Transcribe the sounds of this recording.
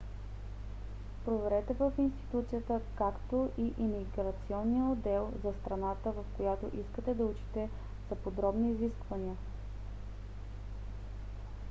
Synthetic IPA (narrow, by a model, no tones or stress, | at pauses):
pɾovɛɾɛt̪ɛvəfinst̪i̥t̪ut̪sijət̪əkakt̪oʔiʔimiɡɾɐt̪siɔnːijəod̪ɛlˠzɐst̪ɾɐnat̪əvɐfkojat̪o̰ʔiskət̪ɛd̪ɐut͡ʃi̥t̪ɛ | zɐpod̪ɾɔbniːziskvɐniə